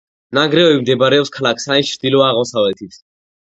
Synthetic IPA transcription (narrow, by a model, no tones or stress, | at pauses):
naɡɾɛɔbimd̪ɛbaɾɛɔpskʰalakʰsaint͡ʃʰɾd̪ilɔaːʁmɔsavɛt̪ʰit̪ʰ